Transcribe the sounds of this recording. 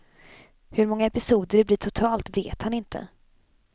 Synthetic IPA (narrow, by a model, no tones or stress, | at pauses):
hɵɾmɔŋːaɛpɪsuːd̪əɾbliːʈʰʊt̪ʰɑːlt̪vḛːt̪hanɪnt̪ʰə̰